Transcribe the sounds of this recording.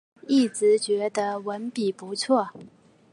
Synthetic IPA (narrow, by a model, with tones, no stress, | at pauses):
i˥˩t͡sɹ̩˧˥t͡ɕɥɛ˧˥d̪ə˧wə˧˥npi˨˩pu˧˥t͡sʰwɔ˥˩